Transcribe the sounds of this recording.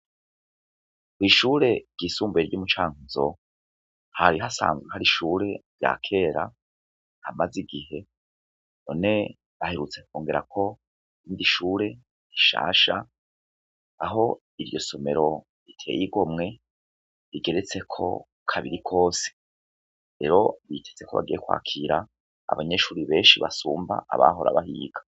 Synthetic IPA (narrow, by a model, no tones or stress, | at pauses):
kwiːʃuːɾe̞ɾɟisuːmbeɾjumut͡ʃaːŋuzo̞̰ | haɾiɦasa̰ːnzɡweɦaɾiʃuːɾe̞ɾja̰kʰe̞ːɾa̰ | hamaziɡihe̞ | no̞̰ne̞ | βaheɾut͡se̞k̚uːŋɡeɾa̰kʰo̞ | iːndiʃuːɾe̞ | ɾiʃa̰ːʃa | aɦo̞ | iɾjo̞so̞me̞̰ɾo̞ | ɾitʰe̞̰ːjiɡo̞mŋe̞ | ɾiɡe̞ɾet͡se̞kʰo̞̰ | kʰaβiɾikʰo̞ːse̥ | ɾe̞ɾo̞βitʰe̞t͡se̞kʰo̞βa̰ɡijekwa̰ːkʰiɾa̰ː | βaɲe̞ʃuːɾiβe̞ːnʃiβasuːmba̰ʔa̰βa̰ɦo̞ɾa̰βahḭːɡ̥ḁ